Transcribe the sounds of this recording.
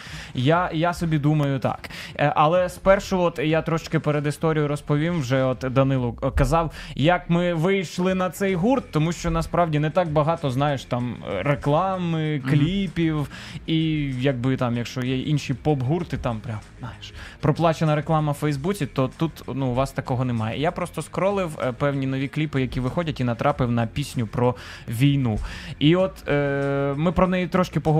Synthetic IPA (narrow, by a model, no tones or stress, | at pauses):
jajasɔbʲid̪umɐjʊt̪ɑ̰kʔɐlˠɛspɛrʃʊɔt̪jat̪ɾɔʃɪt͡ʃkɪpeɾed̪ɪst̪ɔɾʲijʊɾɔspɔʋʲimwʒɛɔt̪d̪ɐnɪlˠʊkɐzɑwjɐkmɪʋɪjʃlˠɪnɐt̪sɛjɦurt̪ːɔmuʃt͡ʃɔnɐspɾɑwdʲinɛt̪ɑk̚bɐɦɑt̪ɔznɑjeʃt̪ɑmɾeklˠɑmɪklʲipʲiwijɐɡ̚bɪt̪ɑmjɐkʃt͡ʃɔjɛʔinʃipɔbɦurt̪ɪt̪ɑmpɾʲamznɑjeʃpɾɔplˠɑt͡ʃenɐɾeklˠɑmɐfɛjzbut͡sʲit̪ɔt̪ut̪nuːʋɑst̪ɐkɔɦɔnɛmɑjɛ̰ijapɾɔst̪ɔskɾɔlˠɪwpɛwnʲinɔʋʲiklʲipɪjɐkʲiʋɪxɔdʲɐtʲinɐt̪ɾʔɑpɪwnɐpʲisʲnʲʊpɾɔ | ʋʲijnuiɔt̪ | mɪpɾɔnɛjit̪ɾɔʃkɪpɔɦɔ